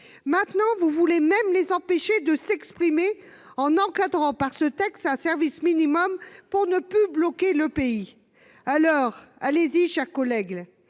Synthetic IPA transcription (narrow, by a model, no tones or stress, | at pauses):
mɛ̃t̪nɑ̃vuvulemɛmlezɑ̃peʃed̪əsɛkspχime | ɑ̃nɑ̃kad̪ʁɑ̃paʁsət̪ɛkst̪ɛ̃sɛʁvisminimɔmpuʁnəplyblɔkʲeləpei | alɔːʁaleziʃɛʁkɔlɛɡ